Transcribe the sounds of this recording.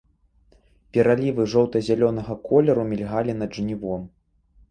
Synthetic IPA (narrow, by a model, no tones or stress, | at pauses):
pʲɛɾalʲivɨʐɔwt̪ɐzʲalʲɔnɐɣɐkʰɔlʲɛɾumʲilʲɣalʲin̪ɐd̪ʐnʲivɔm